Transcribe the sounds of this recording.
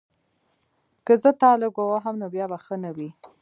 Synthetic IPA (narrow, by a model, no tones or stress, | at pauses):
kəzət̪ɑləɡowaɦamnobjɑbaxənawi